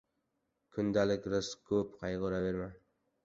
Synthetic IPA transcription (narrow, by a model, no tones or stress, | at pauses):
kʰʊnd̪alɪkʲɾɨskʰɵpqʰɑjʁoɾave̞ɾman